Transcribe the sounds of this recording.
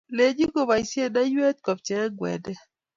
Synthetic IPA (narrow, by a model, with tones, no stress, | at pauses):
le˨d͡ʒi˦ɡo˨ba˨i˨sje˦da˦je˦t̪̚kɔ˨p̚t͡ʃɛ˨ɛ˦ɡwɛ̰˨dɛ˦